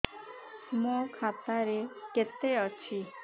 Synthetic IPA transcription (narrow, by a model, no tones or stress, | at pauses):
mokʰat̪aɾeket̪eʌt͡ʃʰi